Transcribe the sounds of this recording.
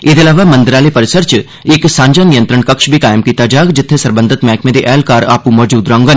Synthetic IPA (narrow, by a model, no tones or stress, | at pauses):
ed̪ɐlaːʋamɐ̃nd̪ɪɾaːlepəɾɪsəɾt͡ʃ | eksãːɲd͡ʒaːnijənt̪ɾəɳkɐkʃbʱikaːjəmkiːt̪ad͡ʒaːɡd͡ʒɪt̪ʰːesɐɾbə̃nd̪ʱɪt̪mɛ̃ːkmẽːd̪eʔɛːlkaːɾa̰ːpũmɔd͡ʒuːd̪ɾãːŋɡən